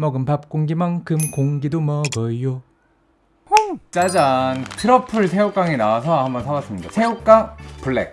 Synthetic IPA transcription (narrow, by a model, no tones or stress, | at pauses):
mʌɡɯmpap̚k͈oŋɡimaŋkʰɯmkoŋɡidomʌɡʌijo | t͡ɕ͈ad͡ʑantʰɯɾʌpʰɯɭsʰe̞jok͈aŋinawasʰʌɦambʌnsʰabas͈ɯmɲidasʰe̞jok͈aŋpuɭːḛk̚